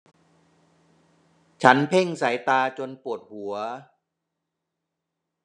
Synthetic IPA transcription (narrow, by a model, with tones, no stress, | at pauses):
t͡ɕʰa˦˥npʰe˥˩ŋsa˩˦jt̪aː˧t͡ɕo˧npu˨˩ət̪̚hu˩˦ɐ